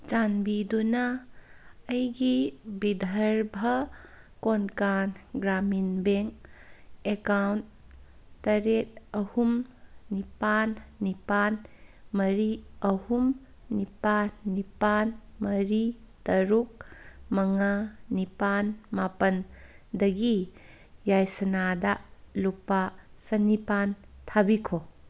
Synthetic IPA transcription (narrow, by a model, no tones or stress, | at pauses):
d͡ʒanbidunɐː | jɡibid̪ʱɐɾbʱɐ | konkanɡɾaminbeŋ | ekawnt̚tɐɾet̚ɐhumnipanːipanmɐɾiɐhum | nipanːipanmɐɾi | tɐɾuk̚mɐŋanipanmapɐn | dɐɡi | jajsɐnadɐlupːasɐnipan | tʰabikʰo